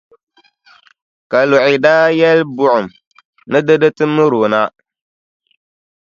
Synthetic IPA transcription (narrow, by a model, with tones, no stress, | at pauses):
ka˨lʊ˨ʔɪ˨daː˦jɛ˦lbʊ˨ʔʊ˨m˨ | nɨ˦dɨ˦dɨ˦tɨ˦mɨ˦ɾoː˨na˦